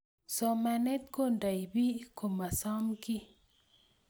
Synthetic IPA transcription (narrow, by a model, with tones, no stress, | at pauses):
somane˦t̪konda˨jbi˦ko˨masɑmki˦